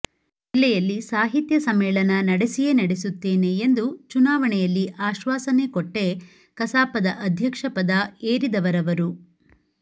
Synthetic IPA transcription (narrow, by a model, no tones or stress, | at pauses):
ilːɛjɐlːisaːɦit̪jɐsɐmeːɭɐnɐnɐɽesije̞nɐɽesut̪ːe̞ːne̞ːnd̪ut͡ʃunaːʋɐɳɛjɐlːiʔaːʃʋaːsɐne̞koʈːe̞ | kɐsaːpɐd̪ɐʔɐd̪ʱjɐkʂɐpɐd̪ɐeːɾid̪ɐʋɐɾɐʋɐɾu